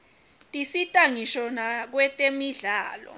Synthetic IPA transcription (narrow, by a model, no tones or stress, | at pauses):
tʼisitʼaŋiʃɔnak̬wɛtʼemiɮaːlɔ̰